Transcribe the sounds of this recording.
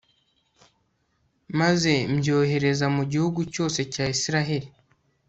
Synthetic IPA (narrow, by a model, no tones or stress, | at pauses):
maze̞mɟo̞ːɦe̞ɾe̞zamuɟihuɡuco̞ːse̞caːisiɾaɦeɾi